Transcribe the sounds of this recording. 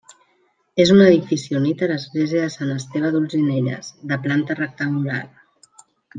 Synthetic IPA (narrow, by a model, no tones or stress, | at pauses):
ezunəðifisiunit̪ələzɣleziəðəsanəst̪eβ̞əðulˠzineʎə̰z̥ðəplant̪ərək̚t̪əŋɡula̰ɾ